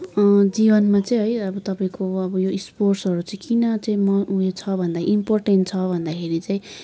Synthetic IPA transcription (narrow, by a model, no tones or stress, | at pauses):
d͡zibʌnmat͡saĩɦʌjʌbʌt̪ʌpaĩkoʌbʌjoisporsɦʌɾut͡saĩkinʌt͡saĩmʌuet͡sʰʌbʱʌnd̪aimporʈenʈ̚t͡sʰʌbʱʌnd̪akʰeɾit͡saĩ